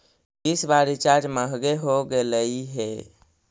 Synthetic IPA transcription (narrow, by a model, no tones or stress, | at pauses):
isbaɾit͡ʃad͡ʒməɦɡeɦoɡeləiɦe